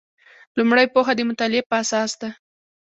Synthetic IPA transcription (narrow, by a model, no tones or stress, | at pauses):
lumɽəjpoxad̪əmʊt̪ɑlɪepəasɑsd̪a